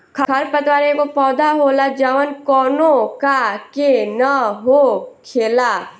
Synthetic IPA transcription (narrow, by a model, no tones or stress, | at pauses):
kʰɐɾpət̪waːɾekopɔːd̪aɦoːlad͡ʒaːʋənkɔːnõkakenaɦokʰeːlaː